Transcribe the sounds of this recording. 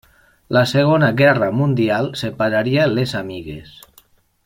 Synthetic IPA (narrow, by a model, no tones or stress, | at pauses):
laseɣ̞onaɣɛramund̪ialˠsepaɾaɾialezamiɣḛs